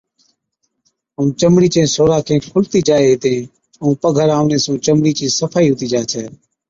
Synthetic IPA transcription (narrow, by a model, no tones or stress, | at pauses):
ũːt͡ʃəmɽiːt͡ʃẽːsoːɾaːkʰẽːkʰʊlt̪iːd͡ʒaːet̪ẽː | ũːpəɡʱəɾaːʊ̃nẽːsũːt͡ʃəmɽiːt͡ʃĩːsəfʰaːiːɦʊːt̪iːd͡ʒaːt͡ʃʰɛː